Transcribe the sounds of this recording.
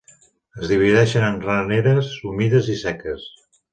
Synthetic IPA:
əzðiβ̞iðɛʃənənraneɾəsumiðəzisɛkəs

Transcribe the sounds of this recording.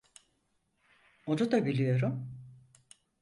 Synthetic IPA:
od͡ʒod̪abilʲijo̞ɾum

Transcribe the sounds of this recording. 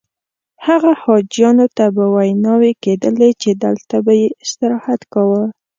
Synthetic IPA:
haɣahɑd͡ʒjɑnot̪abəwajnɑweked̪əlet͡ʃed̪ə̰lt̪abajeɪst̪ɪɾɑhat̪kawəl

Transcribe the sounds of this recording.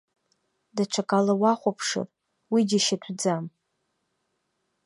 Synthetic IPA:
daʈ͡ʂʷʰakʼalawaχʷapʰʂɨ̰r | wid͡ʒiʃatʷʰd͡zam

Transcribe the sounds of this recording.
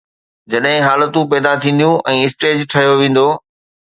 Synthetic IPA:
d͡ʑɐɗɦɪ̃ɦaːlət̪ũpɛːd̪at̪ʰĩːn̆d̪ijũʔɛ̃ːɪsʈeːd͡ʑʈʰɐɦijoʋẽːn̆d̪oː

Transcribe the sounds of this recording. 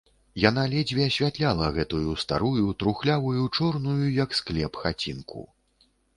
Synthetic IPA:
jan̪alʲɛd͡zʲvʲiɐsʲvʲat̪lʲalˠɐɣɛt̪ujust̪a̰ɾujut̪ɾuxlʲavujut͡ʂɔrnujujɐksklʲɛpxat͡sʲinkṵ

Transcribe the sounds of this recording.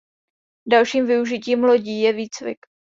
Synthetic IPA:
dalʃiːmvɪuʒɪciːmlo̞ɟiːjɛviːt͡svɪ̰k

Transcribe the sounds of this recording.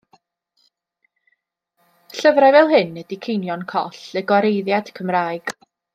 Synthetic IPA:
ɬəvɾajvɛlˠɦɨnːɛdikʰejnjɔnkʰɔ̰ɬɛɡɔɾejðjad̥kʰəmraːɨɡ̥

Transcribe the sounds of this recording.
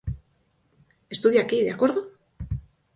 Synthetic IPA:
e̞st̪uðjakiðeakwe̞ɾðo

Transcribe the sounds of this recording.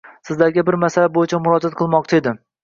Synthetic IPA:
sɪzlaɾɡʲɪbɪɾmasalabojɪt͡ʃʰamʊɾɒd͡ʒat̪̚qʰɨlˠmɒq̚t͡ʃʰae̞d̪ɪ

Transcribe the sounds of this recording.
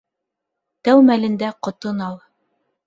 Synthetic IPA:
t̪æwmælɘ̆nd̪æqŏt̪ɤnɑlˠ

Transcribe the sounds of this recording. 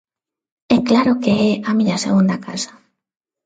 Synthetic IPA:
ɛklaɾʊkeɛamiɲasḛɣund̪aka̰sḁ

